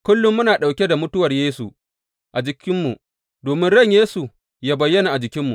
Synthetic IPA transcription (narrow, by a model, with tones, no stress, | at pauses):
kʷʊ˦lːʊ˦mːʊ˦naː˨ɗa˨wkʲe˦da˨mʊ˦tʊ˦wɐ˨rjeː˦su˨ | ʔa˨d͡ʒɪ˨kʲɪ˦mːu˨ | doː˨mɪ˦nɽɐ˦˨ɲjeː˦su˨ | jaː˦bɐ˨jːɐ˦na˨ʔa˨d͡ʒɪ˨kʲɪ˦mːu˨